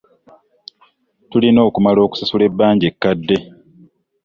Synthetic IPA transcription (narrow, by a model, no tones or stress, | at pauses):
tulino̞ːkumalo̞ːku̥sasule̞bːaːɲɟekːadːe̞